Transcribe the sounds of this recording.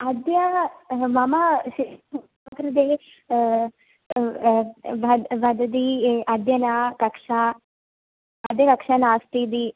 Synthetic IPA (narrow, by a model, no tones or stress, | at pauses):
ɐd̪jɐmɐmaʃi | kɾɐd̪eː | ʋɐʋɐd̪ɐd̪iɐd̪jɐnakɐkʂa | ɐd̪jɐkɐkʂɐnaːst̪id̪̬i